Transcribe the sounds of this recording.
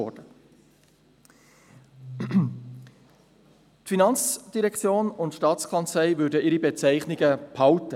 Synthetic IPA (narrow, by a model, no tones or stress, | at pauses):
ɔ̰d̥ə | tfinɑnt͡sd̥iɾɛkt͡sjoːnʊntʃtɑːt͡sskʰɑnt͡slɛɪvʏɾdəɪɾibet͡sæɪχniɡəphɑltə